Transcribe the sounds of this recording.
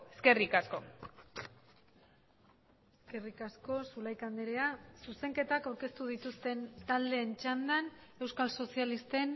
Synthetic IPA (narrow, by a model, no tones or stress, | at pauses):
eske̞rikasko̞ | eske̞rikasko̞sulajkand̪eɾeasuse̞ŋke̞t̪akawɾke̞st̪uðit̪ust̪e̞nt̪ald̪e̞ːnt͡ʃand̪an | e̞wskalso̞sialist̪e̞n